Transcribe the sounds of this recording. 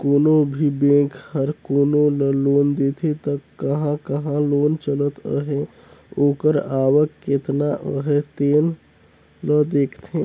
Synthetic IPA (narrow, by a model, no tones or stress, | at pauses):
konobʱibẽkhəɾkonoləlond̪et̪ʰet̪əkəɦãkəɦãlont͡ʃələt̪ə̰ɦe | okəɾawəkːet̪naʔəɦet̪en | ləd̪ekʰt̪ʰe